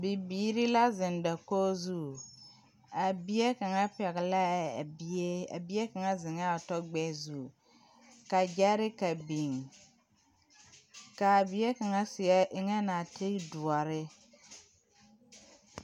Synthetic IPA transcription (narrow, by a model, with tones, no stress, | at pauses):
bi˨biː˨˦ɾi˦la˦zɪ˨nda˨koː˦zu˦˨ | a˨bi˦e˦ka˨ŋa˦pɛ˨ɣɪ˨la˦˨bi˦e˦a̰˨bi˦e˦ka˨ŋa˦zɪ˨ŋa˦˨tɔ˦ɡ͡bɛ˦zu˦˨ | ka˨d͡ʒɛ˦ɾɪ˦ka˨bi˨ŋ | ka˨a˨bi˨˦e˦ka˨ŋa˦sɪ˨ɛ˦ʔɪ˨ŋɛ˦na˨ti˦du˨a˨ɾɪ˦